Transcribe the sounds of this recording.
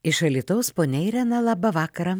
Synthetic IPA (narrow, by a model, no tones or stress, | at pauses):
ɪʃɐlʲiːt̪ɐʊspoːnʲɛɪɾʲɛnɐlˠɑːbɐʋɑːkɐɾɐ